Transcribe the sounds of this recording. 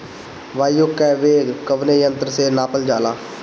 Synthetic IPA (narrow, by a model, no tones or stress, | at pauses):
ʋaːjʊkːɛʋeːkəʋneːjənt̪əɾseːnaːpəld͡ʒaːlaː